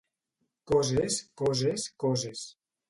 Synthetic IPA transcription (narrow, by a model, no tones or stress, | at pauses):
kɔzeskɔzeskɔzes